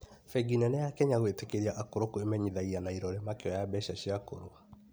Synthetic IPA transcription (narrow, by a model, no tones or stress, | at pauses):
fɛɡinɛnɛjakɛɲaɣwetekeɾiaʔakoɾokoemɛɲiðaianaiɾɔɾemakeɔjabɛɕaɕiakoɾoa